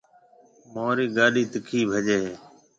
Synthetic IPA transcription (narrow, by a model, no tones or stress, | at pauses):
moːɾiːɡaːɗiːt̪əkʰiːbʱəd͡ʒeːɦː